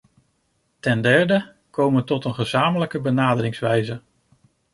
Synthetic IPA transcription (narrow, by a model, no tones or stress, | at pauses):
tɛndɛɹdə | kowmətɔtənχəzaːmələkəbənaːdəɾɪŋsʋɛjzə